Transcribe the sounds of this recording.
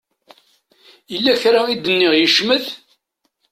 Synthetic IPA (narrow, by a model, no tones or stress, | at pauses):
jəlːæçɾaid̪ənːɪʁjəʃməð